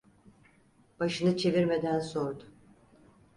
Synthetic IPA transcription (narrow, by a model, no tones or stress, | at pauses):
b̥aʃɯnɯt͡ʃʰe̞viɾme̞d̪ænso̞ɾd̪ʊ